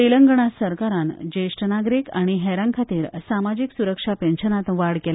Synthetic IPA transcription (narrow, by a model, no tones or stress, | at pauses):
iləŋɡɳ̃asəɾkaɾand͡ʑeʂʈnaɡɾikaɽ̃iɦɛɾãŋkʰat̪iːɾsamad͡ʑiksuɾəkʂapẽnɕənat̪ʋaɽkel